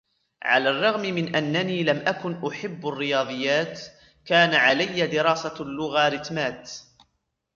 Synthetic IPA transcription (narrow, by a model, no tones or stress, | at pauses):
ʕa̰laːrˤːɑɣmɪmɪnʔanːaniːlamʔakʊnʔʊħɪbːarːɪjɑːðˤɨjːaːt̪ | kaːnaʕalajːad̪ɪɾɑːsalːʊɣaɾɪt̪maːt̪